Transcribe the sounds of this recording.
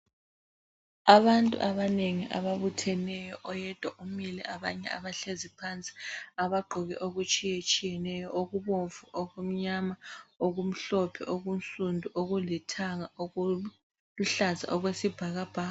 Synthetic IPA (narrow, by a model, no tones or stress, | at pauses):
aβantʼṵʔaβaneŋiʔa̰βaβutʰɛnɛjɔʔɔjɛd̥ʱwaʔumilɛʔaβa̰ɲɛ̰aβaɬezipʰant͡sʼi̥aβaɡ͡ǃʱɔɣɛ̰ʔoɣut͡ʃʼijet͡ʃʼijɛnɛjɔʔoɣuβoɱfuʔoɣum̩ɲamaoɣum̩ɬɔpʰɛʔoɣum̩sʼundʱuʔoɣulɛtʰaŋa | uɬaza̰ʔɔɣwesib̥ʱaɣab̥ʱaː